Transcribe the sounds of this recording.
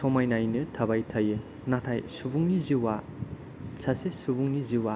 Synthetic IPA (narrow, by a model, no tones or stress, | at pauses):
sɔmajnajnɯtʰɐbajtʰɐjɯ | natʰajsubuŋniziwa | sʰasesubuŋniziwa